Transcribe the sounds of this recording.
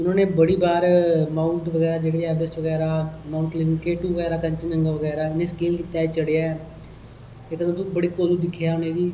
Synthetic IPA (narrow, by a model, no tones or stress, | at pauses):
ʊnãːnẽːbəɽiːbaːɾmãːʊɳʈʋəɡɛːɾaːd͡ʒeːɽeːɛːbɪsʋəɡɛːɾaːmaːʊɳʈlɪmkeːʈuːʋəɡɛːɾaːkəɲt͡ʃnəŋɡaʋəɡɛːɾaːɪnẽːskiːlkiːt̪ːaːɛt͡ʃəɽeaːɛ | eːt̪ːt̪õːbəɽiːkoːluːd̪ɪkʰːjaːʊneːd̪iː